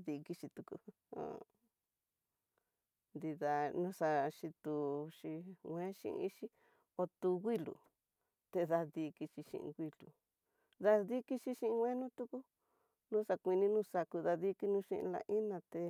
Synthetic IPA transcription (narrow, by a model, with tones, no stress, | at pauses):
ði˧ki˧ʃi˧t̪u˧kṵ˧ | ã̰˧˨ | nd̪i˧ða˧nũ˦sa˧ʃi˧t̪u˧ʃi˧wʷẽ˦ʃḭ˧ʔi˦ʃi˦ | o˧t̪u˧ɣi˦lṵ˨ | t̪e˧ða˧ði˧ki˧t͡ʃi˧ʃḭ̃˧ʔḭ̃˧ɡʷi˧lṵ˨ | ða˧ði˦ki˧ʃi˧ʃĩ˧ĩ˧wẽ˦nũ˦t̪u˦ku˦ | nũ˦sa˧kʷi˧nĩ˧˦nũ˧sa˧ku˧ða˧ði˦ki˧nũ˧˦ʃḭ̃˧ʔla̰˧ʔi˦nã˧t̪e˧